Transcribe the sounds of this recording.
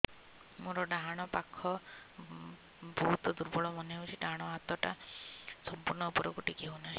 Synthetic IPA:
muɾɔɖaɦaɽ̃ɔpakʰɔ | bɔɦut̪ɔd̪uɾbɔɭɔmɔneɦowt͡ʃʰiɖaɦaɽ̃ɔat̪ɔʈasɔmpuɾɳɔupɔɾɔkuʈikiɦona

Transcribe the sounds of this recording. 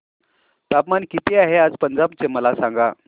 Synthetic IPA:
t̪apmankit̪ʰeaɦead͡zpənd͡zabt͡seməlasãŋɡa

